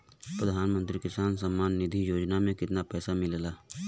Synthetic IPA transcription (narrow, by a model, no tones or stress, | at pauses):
pɾəd̪ʱaːnmə̃nt̪ɾikɪsaːnsəmːaːnːɪd̪ʱijoːd͡ʒnamẽkɪt̪napɛːsamɪlelaː